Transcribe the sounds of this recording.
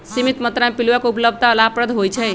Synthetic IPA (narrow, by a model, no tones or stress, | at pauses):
simit̪mət̪ɾamepilwəkupləb̚ʱt̪aəlapɾəd̪ʱɦojt͡ʃʰɛ